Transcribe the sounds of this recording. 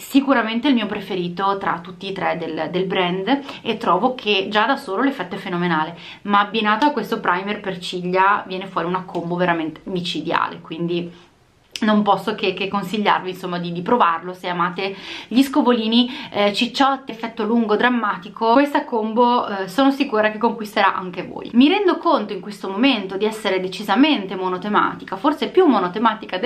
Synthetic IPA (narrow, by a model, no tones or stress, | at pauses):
sikuɾament̪eilmiːopɾefeɾiːt̪ot̪ɾat̪ːut̪ːiːt̪ɾɛd̪eld̪elbɾɛnd̪et̪ːɾɔːvokʰed͡ʒad̪asoːlolefːɛt̪ːoɛfenomenaːle | maːbːinaːt̪oakːwest̪opɾʔajmerpert͡ʃiʎːavjɛːnefwɔːɾiunakːomboveɾament̪e̥mit͡ʃid̪ja̰ːlḛkwind̪i | nompɔsːokekːekːonsiʎːa̰rvinsomːad̪id̪ipɾovarloseamaːt̪eʎiskovoliːnit͡ʃit͡ʃːɔt̪ːefːɛt̪ːoluŋɡod̪ɾamːaːt̪ikʰowest̪akombosoːnosikuːɾakekːoŋkwist̪eɾa̰ʔa̰ŋkevo̰ːjmiɾɛnd̪okont̪oiŋkwest̪omoment̪od̪iɛsːeɾed̪et͡ʃizament̪emonot̪ema̰ːt̪ikaforsepjumːonot̪emaːt̪ikad̪